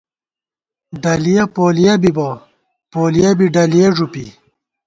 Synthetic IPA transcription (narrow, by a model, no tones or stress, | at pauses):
ɖɐlijɐpoːlijɐbibo | poːlijɐbiɖɐlijeʐupḭ